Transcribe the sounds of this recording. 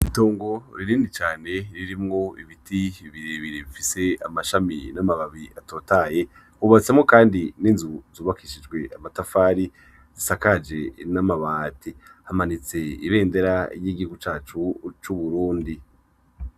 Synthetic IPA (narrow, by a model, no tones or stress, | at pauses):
ito̞ːŋɡo̞ɾiɾiːndit͡ʃaːne̞ɾiɾimŋo̞iβitʰiiβiɾeβiɾiβifise̞amaʃaminamaβaβiato̞ːtaje̞ | huβat͡se̞mŋo̞kaːndiniːnzuzuːβakiʃid͡ʒɡwe̞amatafaːɾi | z̥isakad͡ʒe̞namaβaːtʰihamanit͡se̞ḭβe̞ːnde̞ɾaɾjiɡiɡut͡ʃaːt͡ʃut͡ʃuβuɾuːndi